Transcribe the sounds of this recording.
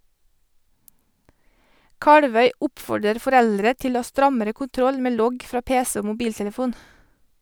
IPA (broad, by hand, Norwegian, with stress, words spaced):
ˈkɑɽʋœʏ ˈʊpfɔɖəɾ fɔˈɾɛldɾə ˈtɪl ˈoː ˈɑː ˈstɾɑməɾə kʊnˈtɾɔl ˈmeː ˈlɔɡ ˈfɾɑː ˈpeːsə ˈoː mʊˈbiːltɛləˌfuːn